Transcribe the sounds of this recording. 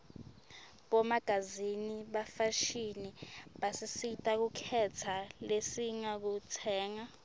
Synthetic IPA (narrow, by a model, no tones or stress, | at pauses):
ɓɔmaɡ̥ʱaziniɓafaʃiniɓasisitʼak̬ukʰɛtʰalesiŋak̬utʰɛːŋa